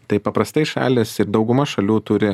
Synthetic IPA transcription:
t̪ɐɪpɐpɾɐst̪ɐɪʃɑ̰ːlʲɪsɪɾd̪ɒʊɡʊmɐʃɐlʲuːt̪ʊɾʲɪ

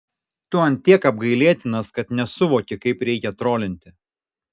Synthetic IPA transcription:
t̪uɐnt̪ʲiɛkɐb̚ɡɐɪlʲiɛt̪ʲɪnɐskɐt̪nʲɛsʊʋoːkʲɪkɐɪpɾʲɛɪkʲɛt̪ɾoːlʲɪnʲt̪ʲɪ

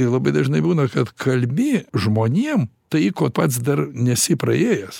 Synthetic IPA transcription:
lˠɐbɐɪd̪ɐʒnɐɪbuːnɐkɐt̪kʰɐlʲmʲɪʒmoːnʲiɛmt̪ɐɪkoːtpɐt̪sd̪ɐrnʲɛsʲɪpɾɐeːjɛs

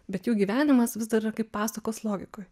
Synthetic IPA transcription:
bʲɛt̪juːɡʲiːʋʲæːnʲɪmɐsʋʲɪzd̪ɐɾɪrɐkɐɪppɑːsɐkoːslˠoːɡʲɪkoːj

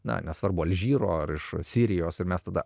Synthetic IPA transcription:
nɐ̰nʲɛsʋɐɾbʊɐlʲʒʲiːɾoːɐɾɪʃsʲiːɾʲɪjoːsɪrmʲɛst̪ɐd̪ɐ

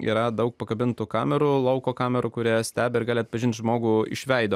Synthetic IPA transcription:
ḭːɾɐd̪ɐʊk̚pɐkɐbʲɪnt̪ʊkɑːmʲɛɾulˠɐʊkoːkɑːmʲɛɾʊkʊɾʲiɛsʲt̪ʲæːbʲɛɪɾɡɑːlʲɪɐt̪̚pɐʒʲɪnt̪ʒmoːɡuːɪ̰ʃʲʋʲɛɪd̪oː

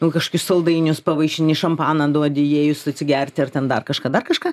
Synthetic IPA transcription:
nʊkɐʃkoːkʲʊssɐlˠd̪ɐɪnʲʊspɐʋɐɪʃʲɪnʲɪʃɐmpɑːnɐd̪uɔd̪ʲɪjeːjʊsɐt̪ʲsʲɪɡʲɛrʲt̪ʲɪɐrtʲɛnd̪ɐrkɐʃkɑːd̪ɐrkɐʃkɑː

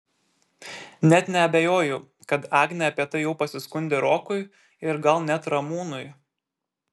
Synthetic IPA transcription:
nʲɛt̪nʲɛɐbʲejoːjʊ | kɐt̪ɑːɡnʲɛɐpʲiɛt̪ɐɪjɛʊpɐsʲɪskʊnʲd̪ʲeɾoːkʊɪ | ɪɾɡɐlˠnʲɛt̪ɾɐmuːnʊj

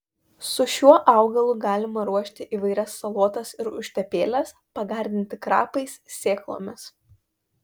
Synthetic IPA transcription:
sʊʃʲuɔʔɑˑʊɡɐlˠʊɡɑːlʲɪmɐɾuɔʃʲt̪ʲɪʔiːʋɐɪɾʲɛsːɐlˠoːt̪ɐsɪɾʊʃʲt̪ʲɛpʲeːlʲɛs | pɐɡɑːɾʲd̪ʲɪnʲt̪ʲɪkɾɑ̰ːpɐɪssʲeːklˠo̰ːmʲɪs

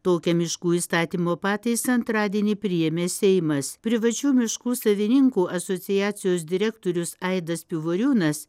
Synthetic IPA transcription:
t̪oːkʲɛmʲɪʃkuːiːst̪ɑːt̪ʲiːmoːpɑːt̪ʲɐɪsɐnt̪ɾɑːd̪ʲiɛnʲipʲɾʲɪjɛmʲeːsʲɛɪmɐspʲɾʲɪʋɐt͡ʃʲuːmʲɪʃkuːsɐʋʲɪnʲɪŋkuːʔɐsot̪sʲɪjæːt̪sʲɪjoːs̬d̪ʲɪɾʲɛkt̪oːɾʲʊsɐɪd̪ɐspʲɪʋoːɾʲuːnɐs

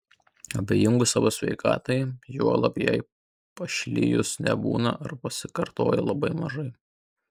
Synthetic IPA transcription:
ɐbʲejɪŋɡʊsɑːʋosʲʋʲɛ̰ɪkɑ̰ːt̪ɐɪjuɔlˠɐpʲjɛɪ | pɐʃʲlʲɪ̰jʊsnʲɛ̰bṵːnɐ̰ʔɐɾpɐsʲɪkɐɾt̪o̰ːjɛlˠɐbɐɪmɐʒɐɪ

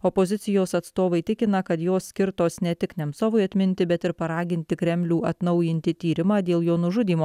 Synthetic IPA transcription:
ɔpozʲɪt̪sʲɪjoːsɐt̪st̪oːʋɐɪt̪ʲɪkʲɪnɐkɐt̪joːsːʲkʲɪɾt̪oːsnʲɛt̪ʲɪknʲɛmsoːʋʊɪɐt̪ʲmʲɪnʲt̪ʲɪbʲɛt̪ɪɾpɐɾɑːɡʲɪnʲt̪ʲɪkɾʲɛmʲlʲuːɐt̪nɒʊjɪnʲt̪ʲɪt̪ʲiːɾʲɪmɑːd̪ʲeːlˠjoːnʊʒʊd̪ʲiːmoː

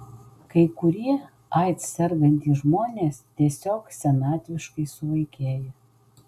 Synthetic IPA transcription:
kɐɪkʊɾʲiɛ | ɐɪt̪ssʲɛɾɡɐnʲt̪ʲiːʒmoːnʲeːst̪ʲiɛsʲoːksʲɛnɑːt̪ʲʋʲɪʃkɐɪsʊʋɐɪkʲeːjɛ

